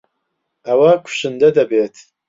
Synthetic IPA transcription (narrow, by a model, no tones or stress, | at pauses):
ɐwakʷʰʊ̥ʃɨnd̪ɐd̪ɐbeːt̪ʰ